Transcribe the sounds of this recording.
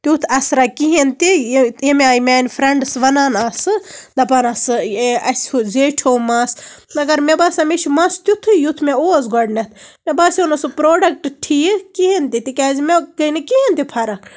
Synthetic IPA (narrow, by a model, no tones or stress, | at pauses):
t̪ʲut̪ʰɐsɾakiɦent̪ijemaːjmʲaːnpʰɾɐɳɖɨsʋɐnaːnaːsɨd̪ɐpɐnɐsɨeɐsuzeːʈʰoːmaːsɐɡɐɾmebaːsɐmet͡ʃʰimɐst̪ut̪ʰɨjut̪ʰmeoːɐzɡɔɖnɐt̪ʰmebaːsonɐsɨpɾoːɖɐk̚ʈʈʰijkiɦent̪it̪ikʲazmekɐnikiɦent̪ipʰɐɾɐ